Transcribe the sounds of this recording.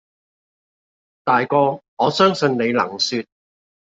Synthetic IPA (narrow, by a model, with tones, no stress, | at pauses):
t̪aː˨jkɔː˧ŋɔː˨˧sœː˥ŋsɵ˧nne˨˧jlɐ̰˨˩ŋsyː˧t̚